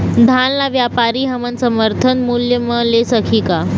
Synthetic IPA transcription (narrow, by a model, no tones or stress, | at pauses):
d̪ʱanlaʋjapaɾiːɦəmənsəməɾt̪ʰənmuljəməlesəkʰiːka